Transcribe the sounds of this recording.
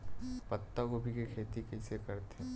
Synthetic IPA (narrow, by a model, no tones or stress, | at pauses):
pɐt̪ːakobʱikekʰeːt̪ikɪsekɐɾt̪e